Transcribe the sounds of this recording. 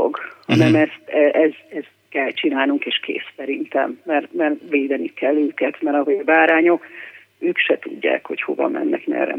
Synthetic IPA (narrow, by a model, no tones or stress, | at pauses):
o̰ɡhɒnɛmɛst̪ɛʔɛzɛz | kɛlt͡ʃinaːlnuŋkeːʃkḛːsːɛɾint̪ɛ̰mːɛrmɛrveːd̪ɛnikɛlːøːkɛt̪mɛɾɒɦoɒbaːɾaːɲo̞k | øːkʃɛt̪uɟːa̰ːkho̞cho̞̰vɒ̰mɛ̰nːɛ̰knɛ̰rɛ̰